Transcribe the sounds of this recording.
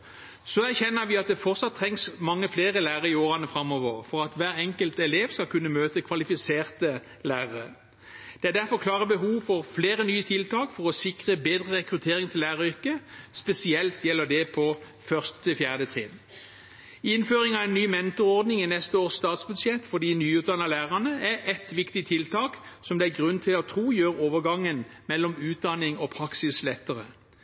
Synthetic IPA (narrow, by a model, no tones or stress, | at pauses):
sɔæʁçɛnːəʋɪɑt̪̚d̪ɛfɔʁt̪sɑt̪ʰːʁɛŋsmɑŋːəfleːʁəlæːʁəʁɪoːʁɑnəfɾɑmːɔʋəʁfɔʁɑt̪ʋæːʁɛŋkəlt̪ɛleːʋskɑlkʉnːəmøːt̪əkʰʋɑlɪfɪseːʁt̪ə | læːʁəʁə | d̪̥ɛæʁd̪æʁfɔʁkʰlɑːʁəbəɦuːʋfɔʁfleːʁənyːət̪ʰɪlt̪ʰɑːkfɔʁɔsɪkʁəbeːd̪ʁəʁɛkʁʉt̪ʰeːʁɪŋt̪ʰɪlːæːʁəʏʁkəspɛsɪɛlt̪jɛlːəd̪ɛpʰɔ | fœʁst̪ə̥t̪ʰɪlfjæːʁd̪ət̪ʰʁɪd̪ | ɪnføːʁɪŋɑʋɛnːyːmɛnt̪ɔʁɔʁd̪nɪŋɪnɛst̪əoːʁsst̪ɑːt̪sbʉd̪ʃjɛt̪ːfɔd̪iːnyːʉːt̪̚d̪ɑnɑlæːʁɑnəæɛt̪ʋɪkt̪ɪt̪ʰɪlt̪ʰɑːksɔmd̪ɛæɡʁʉnt̪ʰɪlɔt̪ʰʁuːjøːʁoːʋəʁɡɑŋːənmɛlːɔmʉːt̪̚d̪ɑnɪŋɔpʰʁɑksɪslɛt̪ːəʁə̰